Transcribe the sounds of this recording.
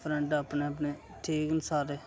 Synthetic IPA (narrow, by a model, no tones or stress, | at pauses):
pʰɾɛɳɖaːpneːəp̬neː | ʈʰeːɡənsaːɾeː